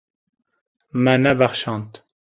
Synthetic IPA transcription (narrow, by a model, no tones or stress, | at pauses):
mænæbæχʃɑnt̪